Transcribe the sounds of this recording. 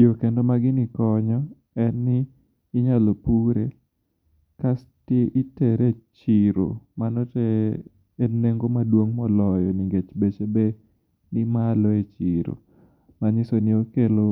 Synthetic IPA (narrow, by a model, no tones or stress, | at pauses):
jokendomaɡɪnikɔɲɔ | ɛnːɪː | ɲalopuɾe | kas | teʔitɛɾet͡ʃiɾo̰manɔteː | neŋɡomadwoŋmɔlɔjɔniɡet͡ʃbet͡ʃebe | nɪmalɔet͡ʃiɾo̰ | maɲɪsonɪokelo